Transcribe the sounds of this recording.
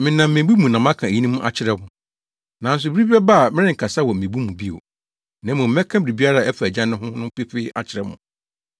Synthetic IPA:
mɪ̃˨nã˨m̩ː˨ẽ˨˦bu˦mũ˨nã˨m˦ã˦kʰã˨e˨ji˦nĩ˦mũ˦ʔa̰˨t͡ɕʰɪ˦ɾɛ˦mʊ̃˨ | nã˨˦n̩˦s̬ʊ˨bɾi˦bi˦ɛ˦ba˦a˨mɪ̃˦ɾɪ̃˦˨kʰa˨sa˦wɔ˨m̩˨ẽ˨bu˦mũ˨bi˦o̰˨ | nã˨˦mũ˨m̩˦ɛ̃˦kʰã˦bɪ˨ɾi˨bi˦a˦ɾa˦˨ɛ˦fæ˨d͡ʑã˦nʊ̃˦hʊ̃˦nʊ̃˦pɪ˦ɸɪ˦a̰˨t͡ɕʰɪ˨ɾɛ˦mʊ̰̃˨

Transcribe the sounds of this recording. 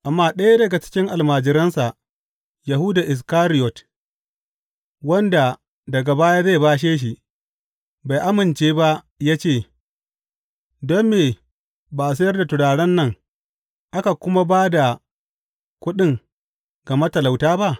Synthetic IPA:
ʔa˨mːaː˦ɗɐ˦ja˦dɐ˨ɡa˨t͡ʃɪ̥˦kʲɪ˦ŋʔa˨lmaː˨d͡ʒɪ˨ɾɐ˦nsa˨ʔ | ja˨ɦʊ˦da˨ʔɪ˨s̬kaː˦ɾɪ˦jɔ˨t | wɐ˦nda˨ | dɐ˨ɡa˨baː˦jaː˦za˦˨baː˦ʃ̬eː˦ʃ̬i˨ | ba˨jʔa˦mɪ˨nt͡ʃeː˦ba˦ʔ | ja˦t͡ʃeː˦˨ | dɔ˦meː˨ | baː˨s̬ɐ˦jɐ˦rda˨tʊ˨ɽaː˨ɽɐ˦nːɐ˦ŋ | ʔa˦ka˨kʷʊ˦ma˦baː˦da˨ | kʷʊ˦ɗɪ˦˨ŋ | ɡɐ˨ma˦tɐ˨la˨wtaː˦ba˦ʔ

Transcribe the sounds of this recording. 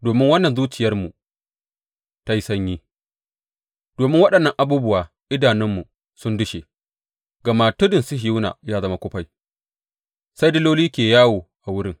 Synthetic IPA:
doː˨mɪ˦ŋwɐ˦nːɐ˨nzuː˦t͡ʃɪ˨jɐ˦rmu˨ | ta˦ji˦sɐ˦ɲjiː˦ | d̥oː˨mɪ˦ŋwɐ˦ɗɐ˨nːɐ˦ŋʔa˨buː˦bʊ˦waː˨ | ʔɪ˦daː˨nɪ˦mːu˨ | sʊ˦ndʊ˦ʃe˨ | ɡɐ˨maː˦tʊ˦dɪ˨nsʊ˦ɦɪ˨u˦na̰ː˨jaː˦zɐ˦ma˦kʷʊ˦ɸa˦j | sa˦jdɪ˦loː˦liː˦kʲeː˨jaː˦woː˨ʔa˨wʊ˦ɽɪ˦ŋ

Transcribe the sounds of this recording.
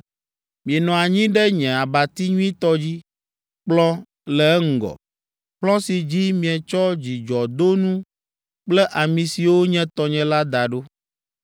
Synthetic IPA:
mĩ˨ɛ˨nɔ̃˨a˨ɲĩ˦ɖɛ˦ɲɛ̃˨a˨ba˨t̪i˦ɲũ˦ĩ˦t̪ɔ˦d͡ʑi˦ | k͡plɔ˦ | lɛ˨ɛ˦ŋ̩˦˨ɡɔ̰˨ | ɸlɔ̃˦si˨d͡ʑi˦mĩ˨ɛ˨t͡ʃɔ˦d͡ʑi˨d͡ʒɔ˨d̪o˦nũ˦ | k͡plɛ˦ʔa˨mĩ˨si˨wo˦ɲɛ̃˦t̪ɔ˨ɲɛ̃˦la˦d̪a˨ɖo˦

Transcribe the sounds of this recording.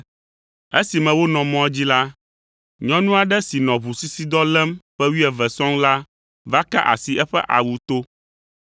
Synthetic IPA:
e˦si˨mɛ̃˨wo˦nɔ̃˨mɔ̃˦ɛ˦d͡ʑi˦la˦ | ɲɔ̃˦nũ˦a˨ɖɛ˦si˨nɔ̃˨βu˨si˦si˦d̪ɔ˦lɛ˦mɸɛ˦wi˦ɛ˨vɛ˨sɔ̃˦ŋla˦ | va˦ka˦ʔa̰˨si˨ʔɛ˦ɸɛ˦ʔa̰˨wu˨t̪o˦

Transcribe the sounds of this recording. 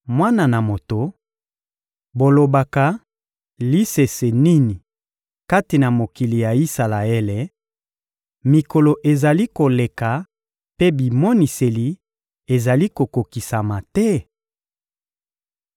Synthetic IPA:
mwa˦na˨na˨mo˨to˨ | bo˨lo˨ba˨ka˨ | li˦se˨se˨ni˦ni˨ | ka˦ti˨na˨mo˨ki˨li˨ja˨i˦sa˨la˨e˦le˨ | mi˨ko˨lo˨ʔe˨za˨li˦ko˨le˨ka˨ | pe˦bi˨mɔ˦ni˨se˨li˨ | e˨za˨li˦ko˨ko˨ki˨sa˨ma˨tɛ˦

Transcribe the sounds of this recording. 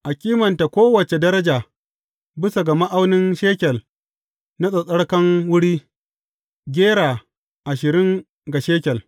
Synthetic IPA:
ʔa˨kʲʼiː˦mɐ˨nta˨kʷoː˦wɐ˨t͡ʃe˨dɐ˦ɾɐ˦d͡ʒaː˨ | bɪ˦sa˨ɡɐ˨ma˦ʔa˦wnɪ˦nʃeː˦kʲɛ˨l | na˦sʼɐ˨sʼɐ˦ɽkɐ˦ŋwʊ˦ɽiː˦ | ɡʲeː˦ɽaː˨ | ʔa˨ʃɪ˨ɾɪ˦ŋ | ɡa˨ʃeː˦kʲɛ˨l

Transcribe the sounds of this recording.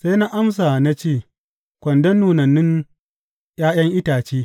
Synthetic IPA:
sa˦jna˦ʔa˦ms̬a˨na˦t͡ʃeː˦˨ | kʷɐ˨ndɐ˦nːuː˨nɐ˨nːɪ˦ŋ | j̰aː˦j̰ɐ˦ŋʔɪ˦taː˨t͡ʃeː˦

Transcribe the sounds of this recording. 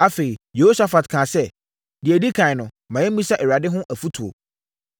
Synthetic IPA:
a˦fe˨i˨je˨ho˦sa˨fa˨tkʰãː˨sɛ˦ | dɪ˨æ˨di˦kʰã˨ɪ˨nʊ̃˨ | mã˨jɛ˦m˦ĩ˦sa˦ʔɛ˨ɾa˨dɪ˦ɦʊ̃˦ʔæ˨fu˦tʰu˨o̰˨

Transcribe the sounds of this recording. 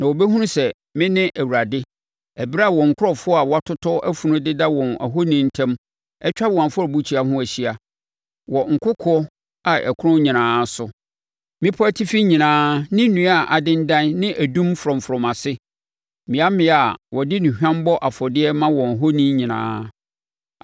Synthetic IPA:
nã˨wo˨bɛ˦ɦũ˦nʊ̃˦sɛ˨ | mɪ̃˦nɪ̃˦ʔæ˨wu˨ɾa˨dɪ˦ | æ˨bi˦ɾa˦˨wɔ̃˨ŋ̩˨kʰʊ˦ɾɔ˨fʊ˦ɔ˦a˨wɔ˦a˦tʰʊ˦tʰɔ˦ʔæ˦fu˨nʊ̃˦dɪ˦da˦wɔ̃˨næ̰˨ɦo˦nĩ˦n̩˦tʰɛ̃˦m | ɛ˦t͡ɕᶣa˦˨ã˨fɔ˦ɾbu˦t͡ɕʰi˨˦a˨ɦʊ̃˦æ˨ɕi˦a˨ | wɔ˨ŋ̩˨kʰʊ˦kʰɔ˦ | a˨ʔɛ̰˨kʰʊ˦ɾʊ̃˦ɲĩ˨nãː˨˦sʊ˨ | mɪ̃˦pʰɔ˦æ˦tʰɪ˦fi˦ɲĩ˨nãː˦nɪ̃˦nũ˨˦a˦˨ʔa˨dɪ̃˦n˦dã˦nnɪ̃˦ʔæ˨dũ˦mfɾɔ̃˨m˨fɾɔ̃˨mã˨sɪ˦ | mɪ̃˨˦a˦mɪ̃˦a˨wɔ˨dɪ˦nʊ̃˨hᶣã˦m˦bɔ˦ʔa˨fɔ˨dɪ˦ɛ˦mã˦wɔ̃˨ɦo˦nĩ˦ɲĩ˨nã̰ː˦

